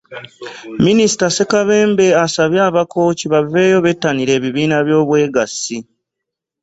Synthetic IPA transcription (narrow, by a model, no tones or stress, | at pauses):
minisi̥tase̞kaβe̞ːmbe̞asaβjaːβakʰo̞ːciβave̞ːjo̞βe̞tːaniɾe̞ːβiβiːnaβjo̞ːβwe̞ːɡasi